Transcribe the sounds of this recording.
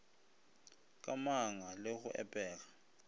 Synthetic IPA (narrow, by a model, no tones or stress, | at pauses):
k̬ʼamaŋalexuʔɛ̰pʼɛːk̬ḁ